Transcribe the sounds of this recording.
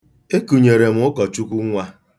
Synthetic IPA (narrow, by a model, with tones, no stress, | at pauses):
e˦ku˨ɲe˨ɾe˨m̩˦ʊ˦kɔ˨t͡ʃu˦kʷu˦ŋʷa˦